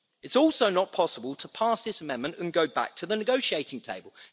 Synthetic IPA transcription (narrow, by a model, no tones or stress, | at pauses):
ɪtsɔˑlˠsəʊnət̚pʰɒsəbəlˠtʰəpʰɑˑsðɪsəmɛ̃nmə̃ntə̃nɡəʊba̰k̚tʰəðənɪɡəʊʃieɪtɪ̃ŋtʰeɪbəlˠ